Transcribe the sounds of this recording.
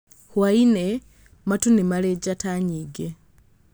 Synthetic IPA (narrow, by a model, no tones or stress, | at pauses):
hwaine | matunimaled͡ʒatʰaɲiɡe